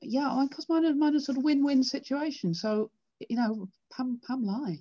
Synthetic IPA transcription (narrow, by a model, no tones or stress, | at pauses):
jæamãɪ̃nkʰɔsmaɪnəmaɪ̃nəsɔˑɾəvwɪ̃nwɪ̃nsɪt͡ʃueɪʃɨ̃n̩soʊ | jɨnoʊ | pʰʌ̃mpʰʌ̃mlaɪ